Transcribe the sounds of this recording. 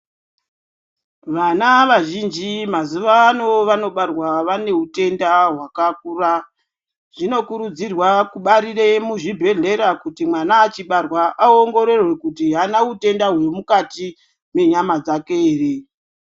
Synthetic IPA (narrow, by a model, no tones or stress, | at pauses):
ʋanaʋaʒind͡ʒimazuʋaːno̞ʋano̞ɓarwaʋane̞ute̞ndaɦwakak̚ura | ʐ̥ino̞kuɾud͡zirwakuɓaɾire̞muʐibʱe̞ɮe̞ɾakutimwanaːt͡ʃiɓarwaʔaoŋɡo̞ɾe̞rwe̞kutiɦanaute̞ndaɦwe̞mukati | me̞ɲamad͡zakeːre